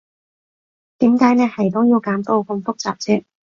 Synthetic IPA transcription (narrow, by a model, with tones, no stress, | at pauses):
t̪iː˨˥mkaː˨˥jnɛː˥hɐ˨˩jt̪ʊ˥wjiː˧wkaː˨˥mt̪o˧wkʊ˧mfʊ˥k̚t͡sa̰ː˨˩p̚t͡sʰɛː˥t